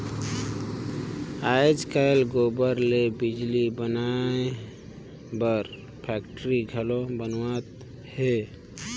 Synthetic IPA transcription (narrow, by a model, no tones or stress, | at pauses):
ad͡ʒkalɡobəɾlebɪd͡ʒlibənae | bəɾ | pʰɛːkʈɾiɡʱəlobənwat̪ | he